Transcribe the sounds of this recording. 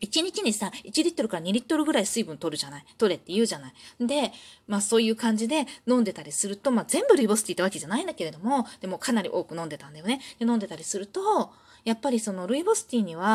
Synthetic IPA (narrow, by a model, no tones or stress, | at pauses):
it͡ɕiɲ̟it͡ɕiɲ̟isait͡ɕiɾʲit̪ːo̞ɾɯ̟kaɾaɲ̟iɾʲit̪ːo̞ɾɯ̟ɡɯ̟ɾaisɨibɯ̟̃nt̪o̞ɾɯ̟ʑanait̪o̞ɾe̞t̪ːe̞jɯ̟ːʑanaind̪e̞maːso̞ːjɯ̟ːkãɲ̟d͡ʑid̪e̞nõ̞nd̪e̞t̪aɾʲisɨɾɯ̟t̪o̞maːzẽ̞mbɯ̟ɾɯ̟ibosɨ̥t̪ʲiːt̪aβake̞ʑanaĩnd̪ake̞ɾe̞d̪o̞mo̞d̪̥e̞mo̞kanaɾʲḭʔo̞ːkɯ̟nond̪e̞t̪ãnd̪ajo̞ne̞d̪̥e̞nõ̞nd̪e̞t̪aɾʲisɨɾɯ̟t̪o̞ | japːaɾʲiso̞no̞ɾɯ̟ibo̞sɨ̥t̪ʲiːɲ̟iβa